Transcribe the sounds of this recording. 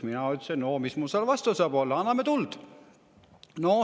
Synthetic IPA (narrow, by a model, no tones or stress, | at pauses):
minɑyt̪ːsennomismulseɑlvɑst̪osɑːbolːɑɑnːɑmet̪uld̪̥ | no